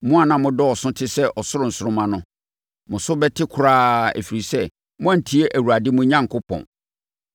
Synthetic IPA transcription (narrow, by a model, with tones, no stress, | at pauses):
mʊ̃˦a˨nã˨mʊ̃˨dɔ˦ɔ˨sʊ̃˦tʰɪ˦sɛ˦ʔɔ˨sʊ˦ɾʊ˨n̩˨sʊ˨ɾʊ˦mã˦nʊ̃˦ | mʊ̃˨sʊ˦bɛ˦tʰɪ˦kʰʊ˨ɾaː˦ɛ̰˨fi˨ɾi˨sɛ˦ | mʊ̃˦a˦n̩˨tʰi˦e˦ʔæ˨wu˨ɾa˨dɪ˦mʊ̃˦ɲã˦ŋ˨kʰʊ˦pʰɔ̰̃˨n